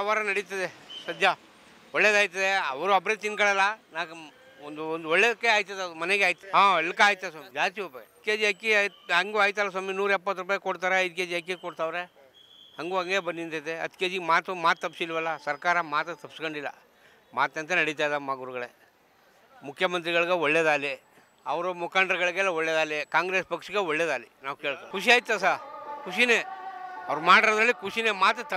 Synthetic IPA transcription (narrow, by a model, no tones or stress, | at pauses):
ʋaɾɐnɐɽit̪ɐd̪esɐd͡ʒa | ɔɭːeːd̪aːjt̪ːɐd̪eɐʋɾuɐbɾet̪inkɐɭalanaːk | ond̪und̪ɔɭːed̪keaːjt̪ːɐd̪ɐd̪umɐneɡaːjt̪ːɐɦãːeɭːkaaːjt̪ːɐsomid͡ʒaːt̪iʋupːɐt̪keːd͡ʒiɐkːiɦɐŋɡuaːjt̪aːlːas̬ɐminuːɾɛpːɐt̪ːɾupaːjkoɽt̪aːɾeɐjd̪ked͡ʒiɐkːekoɽt̪aʋɾe | hɐŋɡuːɐŋɡe̞ːbɐnːint̪ɐd̪eɐ̰t̪ʰkeːd͡ʒiɡmaːt̪umaːt̪̚ːɐp̬ːsilʋɐlːɐsɐɾkaːɾɐmaːt̪ɐt̪ɐpːskoɳɖilːɐ̰ | maːt̪ɐnt̪̬ɐnɐɽit̪̬aːjd̪aːmaːɡuɾuɡɐɭḛ | mukʰːjɐmɐnt̪̬ɾiɣɐɭiɡeɔɭːeːd̪aːle | ɐʋɐɾumukaːɳɖɾɐɡɐɭiɡɛlːɐɔɭːeːd̪aːlekaːŋɡɾeːspɐkʂiɡeɔɭːed̪aːlinaːʋuke̞ːɭkokʰuʃ̬iaːjit̪ːas̬aːkʰuʃineɐ̰ʋɐɾmaːɽiɾod̪ɾɐlːikʰuʂinemaːt̪t̪ɐ